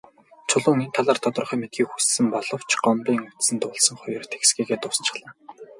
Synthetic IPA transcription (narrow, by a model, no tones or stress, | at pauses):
t͡sʰʊɮʊːŋent̪ʰaɮaːrt̪ʰɔt̪ɞ̆rχœːmet̪̚ɡiːkxussɘ̆mpɔɮɞ̆w̥t͡ɕɢɔmpiːŋut̪sɘ̆nt̪ʊːɮsɞ̆ŋχɔjɞ̆rt̪ʰeksɡiːɣeːt̪ʊːsə̥̆nt͡ɕɪ̥̆χɮaː